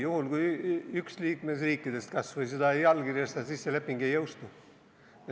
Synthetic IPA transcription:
juhulɡujyksliːkme̞s̬riːkˑːid̪̥e̞st̪̚kɑsvɑjs̬ed̪ɑjɑlɡ̥irjɑst̪ɑsisːelepːˑiŋɡe̞jːɤwst̪u

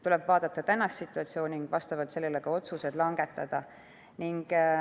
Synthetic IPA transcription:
t̪ulɛb̥vɑːd̪̥ɑt̪ːɑt̪ænːɑsːit̪ːˑuɑt̪sio̞ːnʲiŋɡ̥vɑst̪ɑvɑt̪se̞lːeleɡ̥ɑo̞t̪suse̞d̪̥lɑŋɡe̞t̪ːˑɑd̪̥ɑ | niŋɡ̥

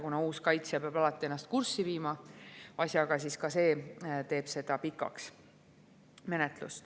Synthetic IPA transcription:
kunɑuːskɑjt̪sjɑpeɑb̥ɑlɑt̪ːˑie̞nːɑst̪̚kursːiviːmɑɑsʲjɑɡ̥ɑsiskɑse̞ːt̪e̞ːb̥se̞d̪̥ɑpikːˑɑ̰ks | me̞net̪lṵst̪

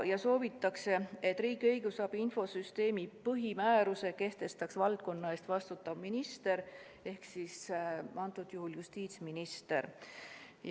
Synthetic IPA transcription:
jɑso̞ːvit̪ːˑɑkse̞e̞t̪ːˑriːɡ̥iɤjɡ̥usɑːb̥info̞syst̪e̞ːmipɤɦimæːɾuse̞ke̞ht̪e̞st̪ɑksvɑld̪̥̚ko̞nːɑe̞ːst̪vɑst̪ut̪ːˑɑvminist̪e̞ɾ | e̞hksisʔɑnt̪ːˑud̪juɦuljust̪iːt̪sminist̪e̞ɾ

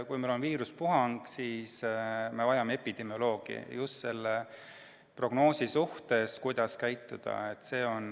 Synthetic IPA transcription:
kujmelo̞nviːɾuspuɦɑŋɡ̥siːsme̞vɑjɑmeepːˑid̪̥e̞mjo̞lo̞ːɡ̥ḭjust̪se̞lːe | pro̞ɡ̥no̞ːsisuht̪e̞skujd̪̥ɑskæjt̪ːˑud̪̥ɑ̰e̞t̪ːˑse̞ːo̞n

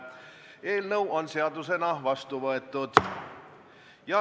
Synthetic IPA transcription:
e̞ːlnɤwʔo̞nse̞ɑd̪use̞nɑvɑst̪uvɤe̞t̪ːˑud̪̥ | jɑ

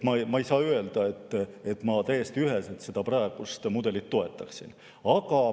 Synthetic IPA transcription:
mɑmɑejsɑːye̞ld̪̥ɑe̞t̪ːe̞t̪ːˑmɑt̪æjest̪iyɦe̞selt̪se̞d̪̥ɑprɑeɡ̥ust̪mud̪e̞lit̪ːo̞e̞t̪ːˑɑksḭn | ɑɡ̥ɑ

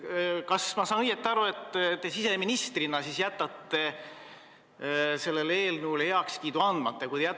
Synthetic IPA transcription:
kɑsmɑsɑːnɤjet̪ːˑeɑɾue̞t̪ːt̪e̞sise̞minist̪rinɑsiːsjæt̪ːˑɑt̪ːe̞ | se̞lːele̞ːlnuːleheɑkskiːd̪uɑnd̪̥mɑt̪ːˑekujd̪ejæ

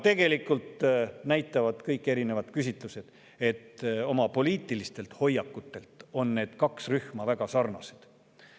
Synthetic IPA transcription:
t̪e̞ɡe̞likult̪næjt̪ˑːɑvɑd̪̥kɤjkːˑe̞ɾine̞vɑd̪̥kys̬ʲit̪ˑluse̞d̪̥ | e̞t̪ːo̞mɑpo̞liːt̪ːˑilist̪e̞lt̪ho̞jːɑkːut̪ːe̞lt̪o̞nːe̞ːd̪̥kɑksryhmɑvæɡ̥ɑsɑrnɑse̥d̪̥

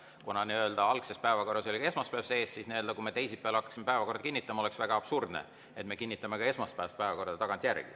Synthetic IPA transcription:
kunɑniø̞ld̪̥ɑɑlkse̞spæevɑko̞rːɑso̞lʲikɑe̞smɑspævse̞ːssisniøld̪ɑkumet̪e̞jsipeɑlɑkːˑɑ̥ksimepæevɑko̞rd̪ɑkinːit̪ːˑɑmɑo̞le̞ksvæɡ̥ɑɑb̥surd̪nḛ | e̞t̪me̞kinʲːit̪ːˑɑmekɑe̞smɑst̪pæːɑst̪̚pæevɑko̞rd̪̥ɑt̪ɑɡ̥ɑnt̪ʲˑjærɡ̥ḭ

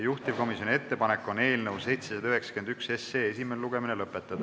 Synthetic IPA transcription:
juht̪ivko̞misjo̞nʲie̞t̪ːe̞pɑnekːˑo̞ne̞ːlnewse̞jt̪sesɑd̪ɑyɦe̞ksɑ̥ke̞nd̪ykseseːesimeneluɡ̥e̞minelɤpːˑet̪ːˑɑd̪̥ɑ

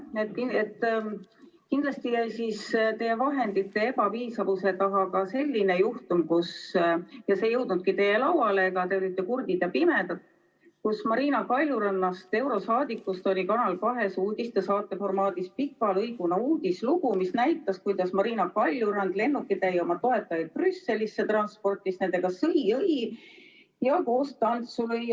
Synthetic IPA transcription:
et̪̚kiet̪ːˑ | kind̪̥lɑst̪ijæjsist̪e̞jevɑɦe̞nd̪it̪ːe̞ebɑviːsɑvuse̞t̪ɑɦɑkɑse̞lʲːinejuht̪umkus | jɑse̞jɤwd̪̥nud̪̥̚kit̪e̞je̞lɑwɑle̞ːkɑt̪e̞olit̪ːˑekurɡ̥̪id̪jɑpime̞d̪̥ɑt̪ | kusmɑɾiːnɑkɑlʲjuɾɑnːɑst̪e̞wɾo̞sɑːd̪ikːˑust̪o̞lʲikɑnɑlkɑɦe̞suːd̪̥ʲist̪esɑːt̪ːˑe̞fo̞rmɑːd̪̥ispikːˑɑlɤjɡ̥unɑuːd̪̥ʲisluɡ̥umisnæjt̪ːˑɑskujd̪̥ɑsmɑɾiːnɑkɑlʲjuɾɑnd̪le̞nːukːˑit̪ejo̞mɑt̪o̞e̞t̪ːˑɑjɑd̪̥̚prysːe̞lʲisːe̞t̪rɑnspo̞rt̪ˑisne̞ne̞ɡ̥ɑsɤjɤj | jɑko̞ːst̪ɑnt̪sulɤj

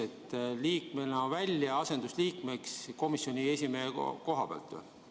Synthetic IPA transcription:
et̪ːˑliːkmenɑvælʲjɑɑse̞nd̪̥usliːkme̞ksko̞misjo̞nʲie̞sʲimeheko̞ɦɑb̥eɑ̰lt̪ːˑ

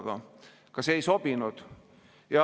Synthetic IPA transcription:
ɡ̥ɑ̰ | kɑseejso̞b̥inud̪̥ | jɑ

